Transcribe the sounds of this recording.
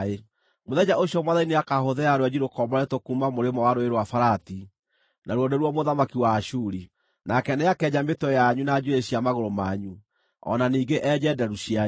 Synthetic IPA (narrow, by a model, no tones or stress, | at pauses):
e | moðɛd͡ʑaʔoɕjɔmwaðaineakaɦoðɛaɾwɛd͡ʑiɾokɔmɔetokumamoɾemɔwaɾoeɾwafaɾati | naɾwɔdoɾwɔmoðamakiwaːʃuɾi | nakɛnɛakɛɲametɔjaɲunad͡ʑueɕiamaɣoɾomaɲu | ɔ̰naniːɡeʔɛd͡ʑɛdɛɾuɕia